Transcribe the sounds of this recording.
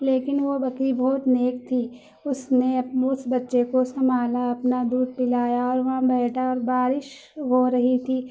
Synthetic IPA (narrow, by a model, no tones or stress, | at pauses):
leːkɪnʋobɐkibɔːt̪neːk̚t̪ʰiː | ʊsneɐpnʊsbɐtːʃekosɐmaːlaɐpnad̪uːd̪̚pɪlaːjaɔːɾʋɐɦãbɛːʈaɔːɾbaːɾɪʃ | ɦoɾɐɦit̪ʰiː